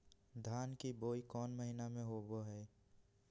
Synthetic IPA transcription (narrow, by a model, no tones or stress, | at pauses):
d̪ʱaːnkiboːikɔːnməɦɪnamẽɦoːboɦɛː